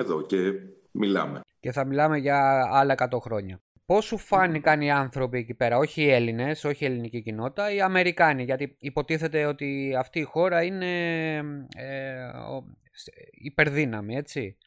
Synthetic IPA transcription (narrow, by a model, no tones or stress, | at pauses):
eðo̞ce | milɐ̰mece̞θɐmilɐme̞ʝɐɐlɐekɐt̪o̞xɾo̞ɲɐ | po̞sufɐnikɐniɐnθɾo̞pie̞cipe̞ɾɐoçiːe̞line̞so̞çie̞linicicino̞t̪i̥t̪ɐiɐme̞ɾikɐniʝɐt̪iipo̞t̪iθe̞t̪e̞o̞t̪iɐft̪iːxo̞ɾɐine̞ | ḛ | sipe̞ɾðinɐmie̞t͡si